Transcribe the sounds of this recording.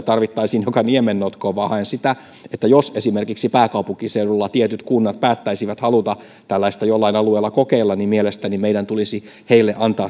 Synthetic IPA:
t̪ɑrʋit̪ːɑisiːnjokɑniemenːot̪koʋɑhɑensit̪æ | et̪ːæjosesimerkiksipæːkɑupuŋkiseuɾulːɑt̪iet̪yt̪kunːɑt̪̚pæːt̪ːæisiʋæt̪hɑlut̪ɑ | t̪ælːæist̪æjolːɑinɑlueːlːˑɑkokeilːɑnnimielest̪ænimeiɾænt̪ulisi | heilːeʔɑnt̪ɑː

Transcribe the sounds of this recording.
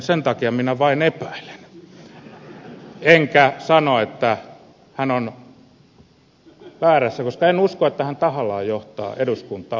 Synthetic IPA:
sent̪ɑkiɑminæʋɑinepæil̥e̥n | eŋkæsɑnoet̪ːæ | hænon | ʋæːræsːækoskɑenuskoet̪ːæhænt̪ɑhɑlɑːjoht̪ɑ̰ːeɾuskunt̪ˑɑː

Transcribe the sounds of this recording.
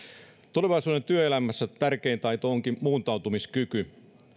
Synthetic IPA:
t̪ole̞ʋɑisuːdent̪yøelæmæsːæt̪ærkeːnt̪ɑit̪ohoŋkimuːnt̪ɑut̪umiskyky

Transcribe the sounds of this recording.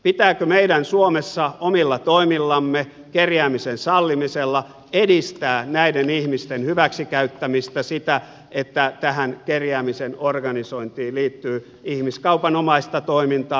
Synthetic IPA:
pit̪æːkømeidænsuomesːɑomilːɑt̪oimilːɑmːe | kerjæːmisensɑlːimiselːɑ | edist̪æːnæidenihmist̪enhyʋæksikæyt̪ːæmist̪æsit̪æ | ʔet̪ːæt̪æhænkerjæːmisenorɡɑnisoint̪iːliːt̪ːyː | ihmiskɑupɑnomɑist̪ɑt̪oimint̪ɑː

